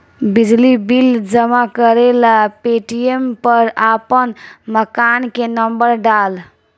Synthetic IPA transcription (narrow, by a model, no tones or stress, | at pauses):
bid͡ʒlibild͡ʒəmakəɾelapeʈiempəɾapənməkankenəmbəɾɖal